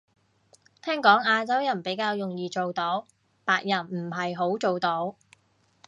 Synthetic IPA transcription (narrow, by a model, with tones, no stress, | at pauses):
t̪ʰɛː˥ŋkɔː˨˥ŋaː˧t͡sɐ˥wjɐ˨˩npe˨˥jkaː˧wjʊ˨ŋjiː˨t͡so˨wt̪o˧˥w | paː˧k̚jɐ˨˩nm̩˨˩ɦɐ˨jɦo˨˥wt͡ʃo˨wt̪o˧˥w